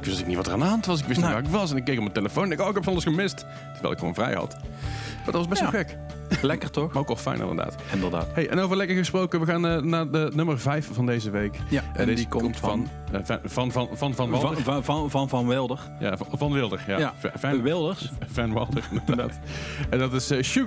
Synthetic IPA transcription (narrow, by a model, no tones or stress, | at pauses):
ɪkʋɪstnɪk̚nitʋɑtərandəɦɑntʋɑs̬ɪkʋɪstʋaːɪkʋɑsɛnɪkːejkɔmənteləfownɛnɪkoɪkɛpfɑndəsxəmɪst | tərɹʋɛ̰lˠɪkxəʋo̰wnvrɛ̰jhɑ̰tmaːdɑtʋɑzbɛstʋɑxɛk | lɛkətɔxowkɑlˠfɛ̰jnʔɪ̰ndə̰da̰ːtɪndəda̰ːtɦejʔɛ̰nowvəɹlɛkəɹxəsprowkənʋəɣaːnənaːdənɵmərvɛjfvɑndejzəʋejkaɛdedikkɔmtfɑn | vɛvɑnvɑnvɑnvɑnʋlˠdəɹvɑnvɑnʋɪlˠdəɹja̰vɑnʋɪlˠdəɹja̰ɛvɛʋɪlˠdəɹsvɛnʋɑ̰lˠdəɹɪndəɹdad̰ːtdɑtɪsəʃu